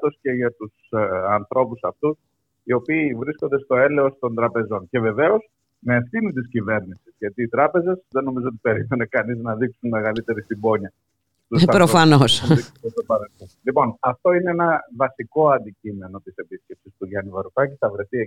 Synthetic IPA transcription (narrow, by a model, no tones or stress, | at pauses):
t̪o̞sce̞ʝɐt̪usɐnθɾʔo̞pusɐft̪us | io̞piːvɾisko̞nd̪e̞st̪o̞e̞le̞o̞st̪o̞nd̪ɾɐpe̞zo̞ɲce̞ve̞ve̞o̞s | meːfθinit̪̬iscive̞ɾnisizʝɐt̪iːt̪ɾɐpe̞ze̞zðe̞no̞mizoot̪ipe̞ɾime̞ne̞kɐniznɐðiksunme̞ɣɐlit̪e̞ɾist̪ibo̞ɲɐ | t̪uspɾofɐnosiest̪opɐɾelθonlipo̞nɐft̪o̞ine̞enɐvɐsiko̞ɐnd̪icime̞no̞t̪ise̞pisce̞psist̪uʝɐnivɐɾut̪ɐciθɐvɾe̞θie